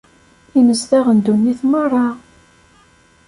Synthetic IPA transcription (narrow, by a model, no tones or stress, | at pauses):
iməzðæʁənd̪unːiθmərˤːɑ